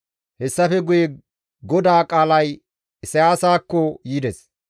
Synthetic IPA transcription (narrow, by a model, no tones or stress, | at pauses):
hɛsːɐfɛɡʊje | ɡɔd̪aːkʼaːlɐj | sɐjaːsaːkːɔjiːd̪ɛs